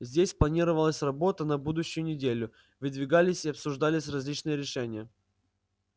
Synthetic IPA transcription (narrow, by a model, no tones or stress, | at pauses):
zʲdʲesʲplˠɐnʲiɾəvəlˠəsʲrɐbo̞t̪ənɐbud̪ʊɕːʊjʊnʲɪdʲelʲʊ | vɨd̪vʲɪɡalʲɪsʲɪɐpsʊʐd̪alʲɪsʲrɐzʲlʲit͡ɕnɨjəɾʲɪʂɛnʲɪjə